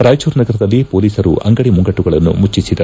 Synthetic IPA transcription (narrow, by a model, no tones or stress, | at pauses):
ɾaːjt͡ʃuːɾnɐɡɐɾɐd̪ɐlːipoːliːsɐɾṵʔɐ̰ŋɡɐɽimuŋɡɐʈːuɡɐɭɐnːṵmut͡ʃːisid̪ɐ